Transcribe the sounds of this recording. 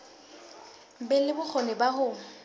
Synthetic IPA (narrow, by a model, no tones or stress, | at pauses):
bɛlɪbʊk͡xʰɔnɛbahʊ